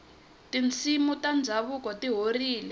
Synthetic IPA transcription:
tint͡sʰimutand͡zʱaβukɔtiɦoriːlɛ

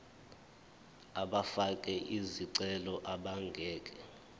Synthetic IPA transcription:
aɓafakʼɛʔiziǀɛlɔʔaɓaŋɡʱɛːk̬ʼɛ

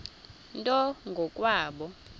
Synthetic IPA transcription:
ntʼɔŋɡʱɔkʼwaːɓɔ

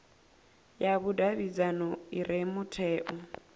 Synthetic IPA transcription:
jaβudaβid͡zanɔiɾemʊtʰɛːʔɔ

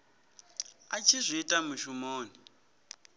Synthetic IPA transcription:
at͡ʃʰizʷiːtʼamuʃumoːni

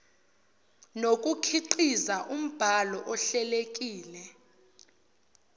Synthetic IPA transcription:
nokʼukʰiǃizaʔum̩b̥ʱalɔʔɔɬɛlekʼiːlɛ

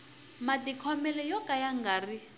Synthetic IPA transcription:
madikʰɔmɛlɛjɔkajaŋɡaːri

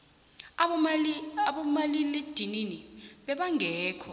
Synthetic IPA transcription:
aɓɔmaliled̥ʱininiɓɛɓaŋʱɛːkʰɔ

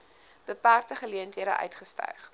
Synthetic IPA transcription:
b̥əpæːrtəχəliəntɦiəɾəʔœ̰ɥtχəstœ̰ɥχ

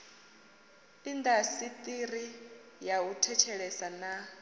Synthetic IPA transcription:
tʼind̪asit̪ʼirijautʰɛt͡ʃʰɛɺɛsana

